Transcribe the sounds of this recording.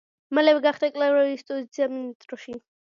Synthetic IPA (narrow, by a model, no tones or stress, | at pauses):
malɛwɛɡaχd̪akʼlavɾɔistʼɔzit̪sʰiaminist̪ʼɾɔʃi